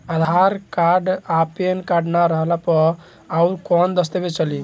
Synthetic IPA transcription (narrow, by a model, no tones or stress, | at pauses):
əd̪ʱaɾkaɾɖapenkaɾɖnaɾəɦlapə | auɾkɔnd̪əst̪ebet͡ʃəli